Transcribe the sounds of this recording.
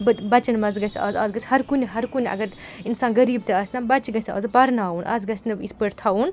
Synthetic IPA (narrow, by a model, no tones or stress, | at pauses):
bɐbɐt͡ʃɐnmɐzɡɐsʲɐ̰ːzɐːzɡɐsʲhɐɾkunʲiɦɐɾkunʲɐ̰ɡɐɾinsaːnɡɐɾiːb̚t̪eɐsʲnɐbɐt͡ʃɡɐsʲɐ̰ːzpɐɾnaːunʔɐ̰zɡɐsʲnɨbit̪ʰpəɾt̪ʰaun